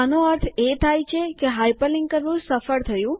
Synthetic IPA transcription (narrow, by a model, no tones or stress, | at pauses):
anũəɾt̪ʰet̪ʰajt͡ʃʰekeɦajpəlɪŋɡkəɾʋũsəfəɾt̪ʰəjũ